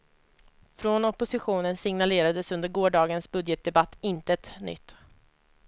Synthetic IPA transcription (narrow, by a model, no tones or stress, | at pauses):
fɾonɔpʊsɪɧuːnənsɪŋnaleːɾad̪əsɵnd̪əɾɡoːɖɑːɡənsbɵd̪jət̪̚d̪ɛbat̪ːɪnt̪əɛt̪nʏ̰t̪ː